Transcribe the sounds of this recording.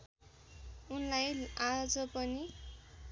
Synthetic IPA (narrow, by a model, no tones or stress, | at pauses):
unlajad͡zʌpʌni